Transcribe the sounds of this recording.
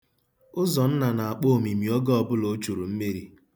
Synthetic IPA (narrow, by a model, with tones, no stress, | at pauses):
ʊ˦zɔ˨n̩˦na˨na˨a˨k͡po˦o˨mi˨mi˨ɔ˦ɡɔ˦ɔ˨bʊ˦lo˨˦t͡ʃu˨ɾu˨m̩˦me˦ɾi˦